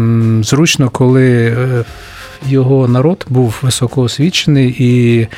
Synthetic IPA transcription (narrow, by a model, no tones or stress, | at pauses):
zɾut͡ʃnɔkɔlˠɪ | jɔɦɔnɐɾɔd̪buwʋɪsɔkɔɔsʲʋʲit͡ʃenɪji